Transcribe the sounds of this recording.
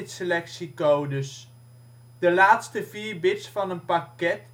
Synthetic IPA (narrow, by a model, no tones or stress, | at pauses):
tsəlɛksikowdəs | d̥əlaːtstəviːɹbɪtsfɑnənpɑkɛt